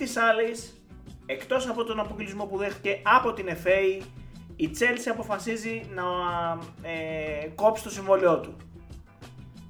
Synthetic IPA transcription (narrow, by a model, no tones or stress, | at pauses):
t̪isɐlis | e̞kt̪o̞sɐpo̞t̪o̞nɐpoɡlizmo̞puðe̞xt̪i̥ce̞ɐpo̞t̪ine̞fe̞i | it͡se̞lsiɐpo̞fɐsizinɐ | ko̞pst̪o̞siɱvo̞lio̞t̪u